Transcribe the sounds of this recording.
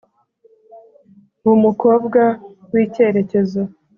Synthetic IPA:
βumuko̞bɡawiːce̞ɾe̞ce̞zo

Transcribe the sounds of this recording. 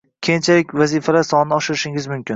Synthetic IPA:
kʲʰejnt͡ʃʰalɪkʲvazifalaɾsɒnɪnɪɒʃɪɾɪʃɪŋɪzmʊmkʲɪn

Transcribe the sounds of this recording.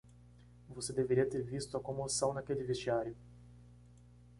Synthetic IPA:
vosed̪eveɾiɐt̪eɾvist̪ʊɐkõmosɐ̃w̃nɐkelɪvest͡ʃiaɾjʊ

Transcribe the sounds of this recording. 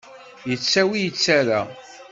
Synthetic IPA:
jət͡sːæwijət͡sːæɾæ

